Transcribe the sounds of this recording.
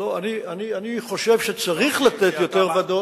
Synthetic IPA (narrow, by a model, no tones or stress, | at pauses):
loanianianiχo̞ʃe̞vʃet͡saʁiχlat̪et̪jo̞t̪eʁvad̪o